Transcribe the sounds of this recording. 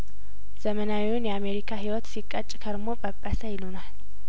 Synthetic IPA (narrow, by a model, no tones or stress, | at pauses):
z̥əmənawiwʊnjɛame̞ɾikʰaɦiwɔt̪sikʼːət͡ʃʼːkʰəɾmopʼəpʼːəsəjɪlunal